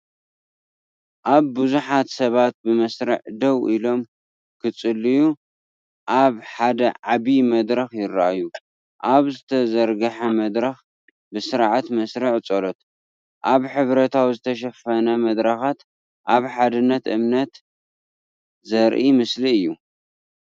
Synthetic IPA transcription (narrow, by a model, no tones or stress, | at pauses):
ʔaβːɨzuħat̪sɐβat̪̚bɨmɐsɾɨʕd̪ɐwʔilo̞m | kʰɨt͡sʼɨlːiju | ʔaβħad̪ɐʕaβimɐd̪ɾɐxjɪɾːa̰ʔaju | ʔaβzɨt̪ʰɐzɐɾɡɐħɐmɐd̪ɾɐx | bɨsɨɾʕat̪mɐsɾɨʕt͡sʼolot̪ | ʔaβħɨβɾɐt̪ʰawzɨt̪ʰɐʃ̬ɐfɐnɐmɐd̪ɾɐxat̪ | ʔaβħad̪ɨnːɐt̪ʔɨmnɐt̪ | zɐɾʔimɨsliɨjːu